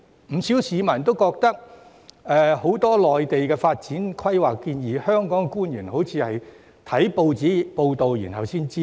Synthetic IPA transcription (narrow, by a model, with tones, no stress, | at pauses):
m̩˨˩siː˨˥wsiː˨˥mɐ˨˩nt̪o˥wkɔː˧k̚t̪ɐ˥k̚ | ʔɛː˨˧ho˨˥wt̪ɔː˥lɔː˨jt̪e˨jkɛː˧faː˧t̚t͡siː˨˥nkʰɐ˥jwaː˨˩kːiː˧njiː˨˩hœː˥ŋkɔː˨˥ŋ˧kuː˥njyː˨˩nho˨˥wt͡sʰiː˨˧hɐ˨j | t̪ʰɐ˨˥jpo˧wt͡siː˨˥i˨po˧wt̪o˨wjḭː˨˩nɦɐ˨wsiː˥nt͡siː˥